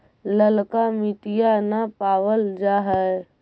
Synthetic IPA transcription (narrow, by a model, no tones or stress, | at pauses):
ləlkamɪt̪ijanapaːwəld͡ʒaːɦɛe